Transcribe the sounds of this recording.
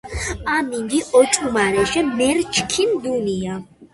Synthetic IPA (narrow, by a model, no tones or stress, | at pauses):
amiŋɡiʔɔt͡ʃʼumaɾɛʃɛmɛɾt͡ʃʰkʰind̪unia